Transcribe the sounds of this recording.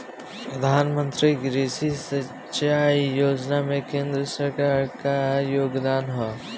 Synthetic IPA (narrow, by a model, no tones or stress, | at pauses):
pɾəd̪ʱaːnmə̃nt̪ɾiɡɾeːsisə | t͡ʃaːijoːd͡ʒnamẽkẽːnd̪ɾəsəɾkaːɾkajoːɡd̪aːnɦɔ